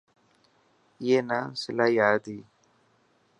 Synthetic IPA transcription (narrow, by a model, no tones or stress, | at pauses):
jenasɪlaːjaːd̪i